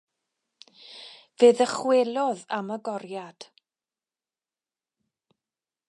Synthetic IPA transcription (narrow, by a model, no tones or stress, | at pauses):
veːðəχwelˠɔðaməɡɔrjad̥